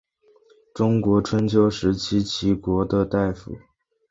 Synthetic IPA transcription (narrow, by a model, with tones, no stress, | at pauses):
ʈ͡ʂʊ˥ŋkwɔ˧˥ʈ͡ʂʰwə˥nt͡ɕʰjo˥ʊʂɻ̩˧˥t͡ɕʰi˥t͡ɕʰi˧˥kwɔ˧˥d̪ə˧t̪a˥˩ɪfṵ˨˩˦